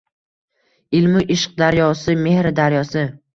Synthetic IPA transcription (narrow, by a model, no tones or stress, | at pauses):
ɪlmɪʔɪʃɪ̥q̚d̪aɾjɒsɪme̞hɾɪd̪aɾjɒsɪ